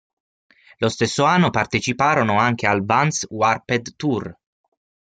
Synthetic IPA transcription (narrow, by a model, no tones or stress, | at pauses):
lost̪esːoanːopart̪et͡ʃipaːɾonoaŋk̟ealbanswarped̪t̪ur